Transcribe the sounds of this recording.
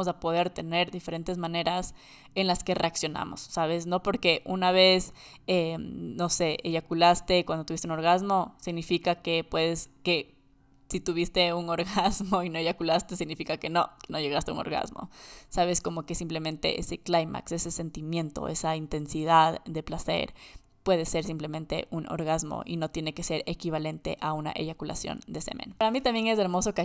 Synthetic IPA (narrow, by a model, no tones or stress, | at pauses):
osapo̞ðe̞ɾt̪e̞ne̞ɾðife̞ɾe̞nt̪e̞zmãne̞ɾas | e̞nlaske̞re̞aksjo̞na̰mo̞̰sːaβe̞sno̞po̞ɾke̞ʔunaβ̞es | eno̞se̞ʔeʝakulast̪e̞kwandot̪uβist̪unoɾɣazmo̞siɣnifikake̞pwe̞ðe̞ske̞ | sit̪uβist̪e̞uno̞ɾɣazmoinoeʝakulast̪e̞siɣnifikake̞no̞keno̞ʝe̞ɣast̪ḛṵŋo̰ɾɣa̰zmo̞̰saβe̞sko̞mo̞ke̞simple̞mẽ̞nt̪e̞̰ʔese̞klajma̰kse̞se̞se̞nt̪imjẽ̞nt̪o̞̰ʔe̞saint̪e̞nsiðaðd̪e̞plase̞̰ɾ | pwe̞ðe̞se̞ɾs̬implemẽnt̪e̞̰ʔuno̞̰ɾɣazmo̰ʔino̞t̪je̞ne̞ke̞se̞ɾekiβale̞nt̪e̞̰ʔauna̰ʔe̞̰ʝakula̰sjo̞̰nd̪e̞sḛmḛ̃naɾamit̪ambje̞ŋezeɾmo̞soka